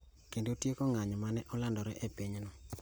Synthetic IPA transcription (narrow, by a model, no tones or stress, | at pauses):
kendotjekɔŋaɲɔmanɛʔɔlandɔɾɛʔepiɲnɔ